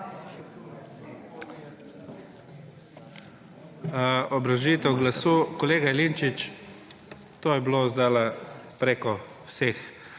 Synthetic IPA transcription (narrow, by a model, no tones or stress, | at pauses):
ɔbɾaʒiːt̪ɛwɡlasuːkɔleːɡaɛlint͡ʃit͡ʃ | t̪oːjɛblozd̪aːlapɾeːkɔ | wsex